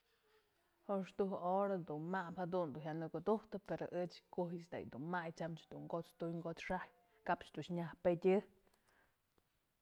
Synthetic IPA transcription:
hoʂt̪uɦʔoɾad̪unmaphad̪und̪uɦʲjanɨkud̪uht̪ɨpeɾo̰ʔɨt͡ʃkuɦsd̪a̰jd̪unmajt͡ʃamt͡ʃd̪uŋɡot͡st̪ujŋɡot͡sʂaj | kapt͡ʃd̪ut͡ʃɲahpedʲɨ

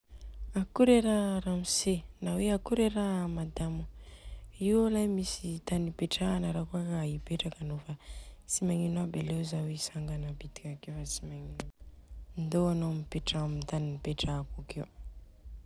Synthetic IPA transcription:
akuɾeɾaɾamisenaweakuɾeɾaamad̪amu | iwalajmisit̪anipeʈ͡ʂaːnəɾakuakaibeʈ͡ʂakanofat͡simaŋinwabalezawesaŋɡanəpit̪i̥kʲakewfat͡simaŋin | nd̪oanomipeʈ͡ʂamit̪aniipeʈ͡ʂakukew

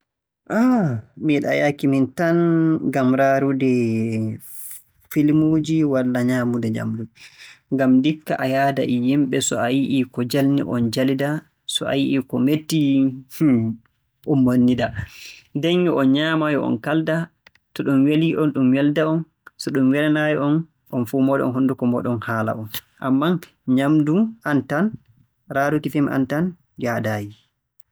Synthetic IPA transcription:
ʔamiɗa̰jakimintanɡamɾaɾudɛ | filmod͡ʒiwalːaɲaːmudɛɲa̰mduŋɡamdikːa̰ʔajaːda̰ʔijimɓɛsɔ̰ajiʔikɔd͡ʒalnḭʔɔ̰nd͡ʒalida | sɔa̰jiʔikɔmetːi | ʔɔmːonːidadeŋɡiʔɔnɲaːmajɔɔ̰nkalda | tɔɗumweliʔɔnɗumwɛldaɔn | sɔɗumwɛɾanajɛʔɔn | ʔɔnfuːmɔːdɛ̰ɔ̰nɦundukɔmɔɗɔnhaːla̰ɔn | ʔamːan | ɲamdumʔantan | ɾaːdutifimʔa̰ntan | d͡ʒadaːji

